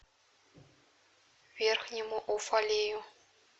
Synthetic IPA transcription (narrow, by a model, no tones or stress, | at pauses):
vʲerxnʲimoʔufɑlʲeju